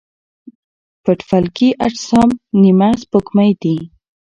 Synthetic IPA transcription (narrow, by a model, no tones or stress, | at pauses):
pəʈfalkiʔaʈsɑmnimaspokmajd̪i